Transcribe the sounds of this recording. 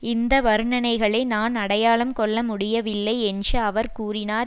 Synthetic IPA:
ɪnd̪ɐʋɐɾɯɳɐnɐɪɣɐɭɐɪnaːnɐɽɐjaːɭɐmkɔɭːɐmʊɽɪjɐʋɪlːɐɪɛndrɯɐʋɐɾkuːɾɪnaːɾ

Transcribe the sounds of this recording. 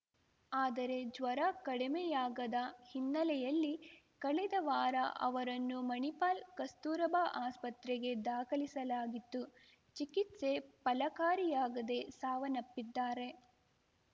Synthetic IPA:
aːd̪ɐɾe̞d͡ʒʋɐɾakɐɽimɛjaːɡɐd̪ɐhinːɐlɛjɐlːi | kɐɭɛd̪ɐʋaːɾɐ̰ʔɐ̰ʋɐɾɐnːumɐnipaːlkɐst̪uːɾɐbʱaːʔaːspɐt̪ɾɛɡe̞d̪aːkɐlisɐlaːɡit̪ːu | t͡ʃikit̪se̞pɐlɐkaːɾijaːɡɐd̪e̞saːʋɐnɐpːid̪ːaːɾe̞

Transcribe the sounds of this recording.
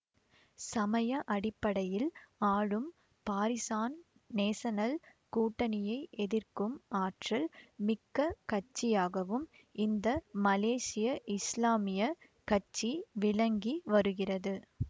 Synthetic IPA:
sɐmɐjɐʔɐɽɪpːɐɽɐjɪlaːɻɯm | paːɾɪsaːn | neːsɐnɐl | kuːʈːɐnɪjɐɪʔɛðɪrkɯmaːʈrɐlmɪkːɐkɐt͡ʃːɪjaːɣɐʋɯm | ɪnd̪ɐmɐleːsɪjɐʔɪslaːmɪjɐ | kɐt͡ʃːiʋɪlɐŋɡiʋɐɾɯɣɪrɐðɯ

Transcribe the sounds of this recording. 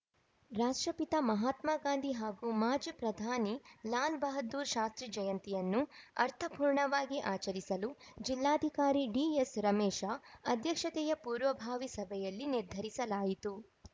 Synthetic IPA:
ɾaːʂʈɾɐpit̪ɐmɐɦaːt̪maːɡaːnd̪ʱiɦaːɡumaːd͡ʒpɾɐd̪ʱaːnilaːlbɐɦɐd̪uːɾʃaːst̪ɾid͡ʒɐjɐnt̪ijɐnːuɐɾt̪ʰɐpuːɾɳɐʋaːɡiʔaːt͡ʃɐɾisɐlud͡ʒilːaːd̪ʱikaːɾiɖiːesɾɐmɛːʃaɐd̪ʱjɐkʂɐt̪ɛjɐpuːɾʋɐbʱaːʋisɐbʱɛjɐlːiniɾd̪ʱɐɾisɐlaːjit̪u

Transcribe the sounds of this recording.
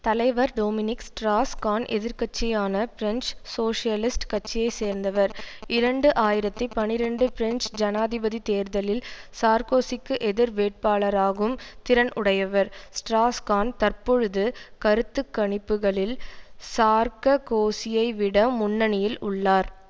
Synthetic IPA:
t̪ɐlɐɪʋɐɾɖoːmɪnɪksʈɾaːskaːnʔɛðɪɾkɐt͡ʃːɪjaːnɐpɪɾɛnssoːʂɪjɐlɪsʈkɐt͡ʃːɪjɐɪseːɾnd̪ɐʋɐɾɪɾɐɳɖɯʔaːjɪɾɐt̪ːipɐnːɪɾɐɳɖɯpɪɾɛnt͡ʃd͡ʒɐnaːðɪbɐðit̪eːɾðɐlɪlsaːɾkoːsɪkːɯʔɛðɪɾʋeːʈ̚paːɭɐɾaːɣɯmt̪ɪɾɐnʔʊɽɐjɐʋɐɾsʈɾaːskaːnt̪ɐɾpɔɻɯðɯkɐɾɯt̪ːɯkːɐɳɪpːɯɣɐɭɪlsaːɾkɐkoːsɪjɐɪʋɪɽɐmʊnːɐnɪjɪlʊɭːaːɾ

